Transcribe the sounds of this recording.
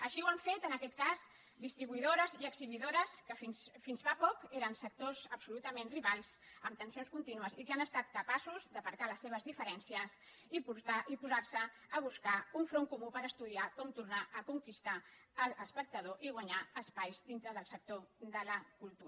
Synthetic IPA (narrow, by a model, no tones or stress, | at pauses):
əʃiwaɱfet̪ənəkɛt̪kaz | d̪ist̪ɾiβuiðoɾəziəɡziβiðoɾəskəfinsfinzapɔkeɾənsək̚t̪ozəpsulut̪əmenriβalˠz | əmt̪ənsionskunt̪inuəsikanəst̪at̪kəpasuzd̪əβəɾkaləsːeβ̞əzðifəɾɛnsiəs | iput̪aʔipuzaɾsəː | β̞uskauɱfɾoŋkumupəɾəst̪uðiakɔmt̪uɾnaʔəkuŋkist̪aələspək̚t̪əð̞oʔiɣwaəɲaəspajzd̪int̪ɾəðəlˠsək̚t̪od̪ələkulˠt̪uə